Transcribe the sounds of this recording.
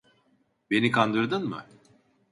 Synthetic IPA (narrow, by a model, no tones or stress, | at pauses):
be̞nikʰand̪ɯɾd̪ɯnmɯ̰